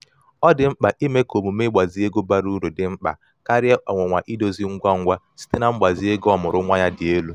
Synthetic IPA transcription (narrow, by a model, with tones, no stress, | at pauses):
ɔ˦dɪ˨ŋ͡m̩˦k͡pa˨ʔi˦me˦ko˨mu˨me˦ɡ͡ba˨zi˦e˦ɡo˦ba˦ɾu˦ɾu˨dɪ˨m̩˦k͡pa̰˨ | ka˦ɾɪ˦ʔɔ˨ŋʷʊ˨ŋʷa˨ʔi˦do˨zi˦ŋ̩˦ɡʷa˦ŋ̩˦ɡʷa˦ | si̥˦te˦na˨m̩˦ɡ͡ba˨zi˨e˦ɡɔ˦mʊ˨ɾʊ˦ŋʷa˦ɲa˦dɪ˨e˦lu˦